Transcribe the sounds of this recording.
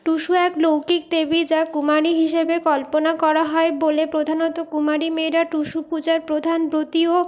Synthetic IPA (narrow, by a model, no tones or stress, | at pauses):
ʈuʃuɛklowkik̚t̪ebid͡ʑakumaɾiɦiʃebekɔlponakɔɾaɦɔebolepɾod̪ʱanɔt̪okumaɾimeɾaʈuʃupud͡ʑaɾpɾod̪ʱanpɾot̪io